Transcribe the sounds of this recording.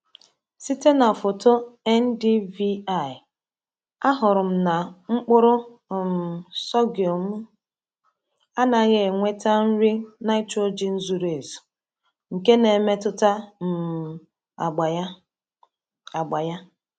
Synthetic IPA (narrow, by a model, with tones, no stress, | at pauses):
si˦te˦na˨fo˨to˦ɛ˦n˦di˦vi˦a˦˨ɪ˨ | a˦ɦʊ˨ɾʊ˨m̩˦na˨ŋ͡m̩˦k͡pʊ˦ɾʊ˦˨ | m˨sɔ˦ɡjo˨m̩˦ | a˦na˨˦ɣe˨ŋʷe˦ta˦n̩˦ɾi˦na˦i˦to˦d͡ʒi˨n̩˦zu˨ɾe˨zu̥˨ | ŋ̩˨ke˦ne˨me˦tʊ˦ta˦m̩˨ | a˨ɡ͡ba˨˦ | a˨ɡ͡ba˨ja˦